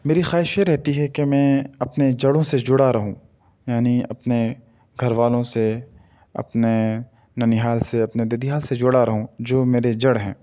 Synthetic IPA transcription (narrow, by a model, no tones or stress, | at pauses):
meːɾixaːɪʃjeɾɛɦt̪iɦɛkemɛ̃ːɐpned͡ʒɐɽõsed͡ʒʊɽaɾɐɦũː | jaːniɐ̰pne | ɡʱɐɾʋaːlõse | ɐ̰pne | nɐniɦaːlseɐpned̪ed̪iɦaːlsed͡ʒʊɽaɾɐɦũd͡ʒoːmeːɾed͡ʒɐɽɦɛ̰̃ː